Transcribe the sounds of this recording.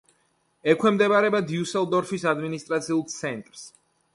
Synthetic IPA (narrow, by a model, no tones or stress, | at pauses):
ɛkʰwɛmd̪ɛbaɾɛbad̪iusɛlˠd̪ɔɾfʰisad̪minist̪ʼɾat̪sʰiulˠt̪sʰɛnt̪ʼɾs